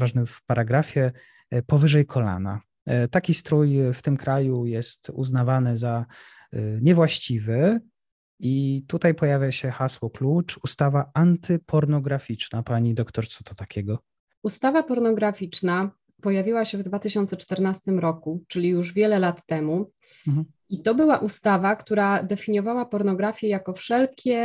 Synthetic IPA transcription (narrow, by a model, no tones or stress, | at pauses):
vaʐnɘfpaɾaɡɾafʲjɛ | pɔvɘʐɛjkʰɔla̰na̰ | t̪akʲist̪ɾujft̪ɘmkɾajujɛst̪ṵznavanɘza | ɲɛvwaɕt͡ɕivɘ | it̪ut̪ajpɔjavʲjaɕɛxaswɔklut͡ʂust̪avaant̪ɘpʰɔɾnɔɡɾafʲit͡ʂnapaɲid̪ɔkt̪ɔɾt̪sɔ̥t̪ɔt̪akʲɛɡɔ | ust̪avapɔɾnɔɡɾafʲit͡ʂna | pɔjavʲiwaɕɛvd̪vat̪ɘɕɔnt̪sɛt͡ʂt̪ɛɾnast̪ɘmɾɔkut͡ʂɘlʲijuʐvʲjɛlɛlat̪ːɛmu | it̪ɔbɘwaʔust̪avakt̪uɾad̪ɛfʲiɲjɔvawapɔɾnɔɡɾafʲjɛjakɔfʂɛlkʲɛ